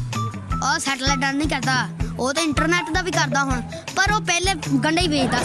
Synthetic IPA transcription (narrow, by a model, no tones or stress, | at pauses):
ɔːsɛːʈəlɛːʈəːnnĩːkɛːt̪aːoːt̪ẽːɪɳʈəɾnɛːʈd̪aːʋiːkəɾd̪aːɦʊɳ | pəɾoːpɛːleːɡəɳɖaiːʋeːt̪aː